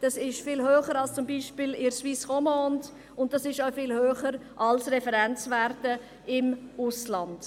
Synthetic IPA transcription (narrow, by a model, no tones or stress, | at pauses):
d̥ɑsɪʃfɪːlɦøːχəɾɑlst͡sʊmbiːʃpɪlɪɾsʋiːsʁɔmɔːnd | ʊnt̚d̥ɑsɪʃaʊfɪːlhøːχəɾʔɑlsɾɛfɛɾɛnt͡sʋærtə | ɪmʊslɑnd̥